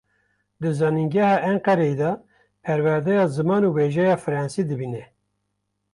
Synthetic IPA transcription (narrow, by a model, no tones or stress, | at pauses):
d̪ɨzɑːninɡɛhɑːʔæɴqɑɾed̪ɑ | pʰɛɾwæɾd̪ɛjɑːzɨmɑːnuːweʒɛjɑːfɨɾɑːnsid̪ɨbinɛ